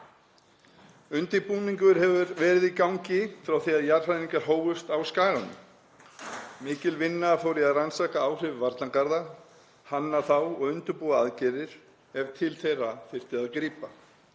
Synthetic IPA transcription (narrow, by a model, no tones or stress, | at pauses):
ʏnt̪ɪpuːniŋkʏɾ̥hɛvʏɾvɛːɾɪðikawŋcɪfɾawθiaðjar̥hajniŋkaɦoːwvʏst̪awskaːɣanʏ̰ | mɪːcɪlvɪnːafoːwɾɪaðransaːkaawr̥ɪvvaɾt̪laŋkaɾða | hanːaθawɔɣʏnt̪ʏɾpuaaðcɛːɾɪɾ̥ | ɛvt̪ʰɪlθejrːafɪr̥t̪ɪðaðkɾiːpa